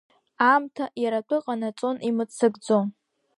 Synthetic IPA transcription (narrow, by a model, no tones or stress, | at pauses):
amtʰaʔjaɾatʷʼɨqʼanat͡sʼo̞nʔimɨt͡sʰɨɡd͡zo̞m